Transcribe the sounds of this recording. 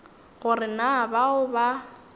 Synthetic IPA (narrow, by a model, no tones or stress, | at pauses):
ɣʊrɪnabaʊba